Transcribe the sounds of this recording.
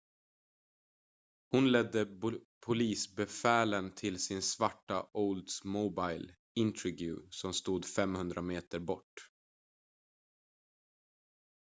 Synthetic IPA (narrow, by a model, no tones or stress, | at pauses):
hʊnlɛd̪ːəpʰʊliːsbɛfæːlənt̪ʰɪlsɪnsvaʈːaʔɔld̪smɔbaɪl | ɪnt̪ʰɾɪɡjʊ̰sɔmst̪uːd̪fɛmhɵnd̪ɾʔameːt̪əɾbɔʈː